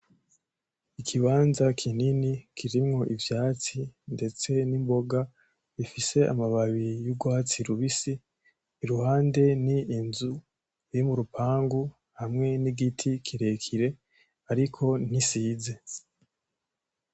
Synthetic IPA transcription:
ikʰiβaːnzakʰininikʰiɾimŋo̞ʔivjaːt͡sinde̞t͡se̞nimbo̞ɡa | βifise̞ʔa̰maβaβijuɡwaːt͡siɾuβisiː | ɾuhaːnde̞niːnzu | ɾimuɾupʰaːŋɡu | hamŋe̞niɡitʰikʰiɾe̞kʰiɾe̞ | aɾikʰo̞nisiːze̞

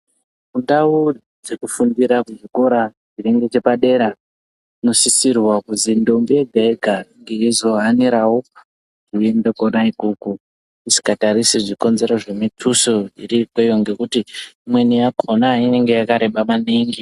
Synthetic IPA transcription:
kundau | d͡zekufundiɾakuʐiko̞ɾa | d͡ʒineŋɡe̞t͡ʃe̞paɗe̞ɾa | ino̞sisirwakuzindo̞mbieɡʱaeɡʱaŋɡeizo̞ɦaniɾawo | kiendekonaikuku | isi̥kataɾisiʐiko̞nze̞ɾoʐemitʰusoḭrikwejoŋɡe̞kutiimwe̞nijakʰo̞naine̞ŋɡe̞jakaɾe̞ɓamaniŋɡi

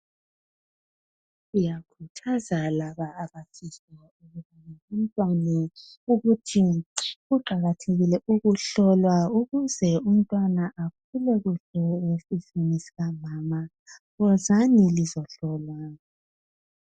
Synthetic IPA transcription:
ujakʰutʰazalaβaːβafisa | uɣuβuaum̩tʼwanɛ | uɣutʰiɣuǃaɣatʰeɣilɛʔuɣuɬɔlwauɣuzɛum̩tʼwanaʔak̚ʰulɛɣuɮɔwesifinisi̥ɣamaːma | ɣɔzanilizɔɬɔlwana

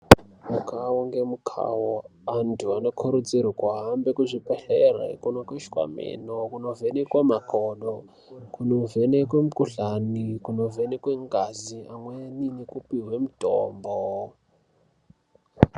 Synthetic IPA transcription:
mukʰawoŋɡemukʰa̰woantʰuanokʰoɾut͡sirikwaɦambekuʐipeɬerḛkunokoʃkwa̰mḛnokunovenekwemakʰoɗo | kunovenekwemukuɬanikunovenekweŋɡaziamweninekupiɦwemuto̰ːmbo

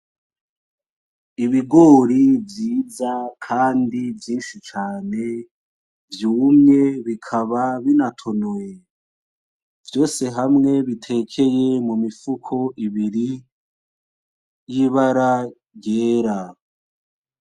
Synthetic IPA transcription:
iβiɡo̞ːɾivjiːzakʰaːndivjiːnʃit͡ʃaːne̞ | vjuːmɲe̞βikʰaβaβinatʰo̞noje | vjo̞ːse̞ɦamŋe̞βitʰe̞kʰe̞je̞mumifukʰo̞ʔiβiɾi | jiβaɾa | ɟeːɾa

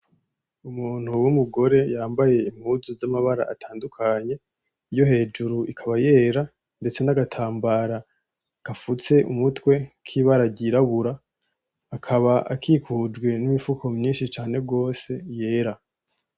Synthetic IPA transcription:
umuːn̥huwumuɡo̞ɾe̞jaːmbaje̞im̥huzuzamaβaɾa̰ʔatʰaːndukʰaɲe̞ | ijo̞he̞ːd͡ʒuɾuikʰaβaje̞ːɾa | nde̞t͡se̞naɡatʰaːmbaɾa | kafut͡se̞ʔumutwe̞kʰiːβaɾaɟiɾaβuɾaː | kʰaβaʔa̰kʰiːkʰud͡ʒɡwe̞nimifukʰo̞mɲiːnʃit͡ʃaːne̞ɡo̞ːse̞je̞ːɾa

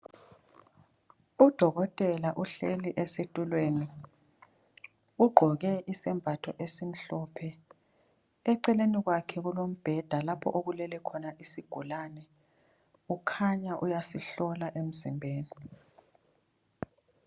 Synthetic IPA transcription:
ud̥ʱɔɣɔtʼɛlaʔuɬḛliʔɛsetʼulweːni | uɡ͡ǃʱɔɣɛʔisɛmbʱatʰɔʔesim̩ɬɔːpʰɛ | ɛǀɛleniɣwakʰɛɣulom̩b̥ʱɛd̥ʱalapʰɔ̰ʔoɣulɛlɛkʰɔnaʔisiɡ̥ʱulanɛ | ukʰaɲaʔujasiɬɔlaʔem̩zimbʱeːni

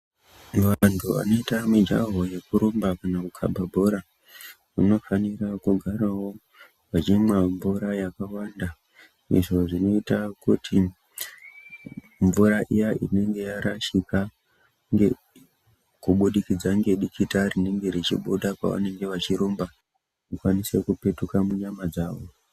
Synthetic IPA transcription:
ʋantʰuʋa̰no̞itamid͡ʒa̰ɦo̞je̞kuɾombakanakukʰa̰mbabʱoɾa | kṵno̞fanirakuɡʱaɾawo̞ | ʋat͡ʃimwaɱvuɾajakawanda | ḭʐo̞ʐino̞itakutʰi | ɱvuɾaʔijaʔḭne̞ŋɡe̞jaɾaʃika | ŋɡe | kuɓuɗikid͡zaŋɡe̞ɗikitarine̞ŋɡe̞ɾet͡ʃḭɓoɗakwa̰ʋa̰ne̞ŋɡe̞ʋat͡ʃiɾomba | kukwanise̞kupe̞tukamuɲamad͡zaːʋo̞

